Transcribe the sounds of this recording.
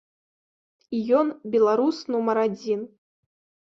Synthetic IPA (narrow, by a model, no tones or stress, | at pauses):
ijɔnbʲɛlˠaɾusnumɐɾad͡zʲin